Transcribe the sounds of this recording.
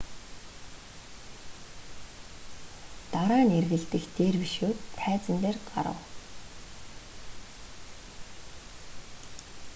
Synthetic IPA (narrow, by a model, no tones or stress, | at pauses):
t̪aɾaːnerɣɘ̆ɮt̪ɘ̆xt̪eːrpiʃoːt̪ʰːæːt͡sə̆nt̪eːrɢa̰ɾə̰̆w